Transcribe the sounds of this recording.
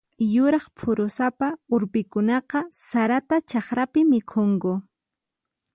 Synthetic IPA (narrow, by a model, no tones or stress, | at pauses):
jʊɾɑχpʰʊɾʊsapaʊɾpɪkʊnɑqɑsaɾat̪at͡ʃɑχɾapɪmɪkʰoŋɡʊ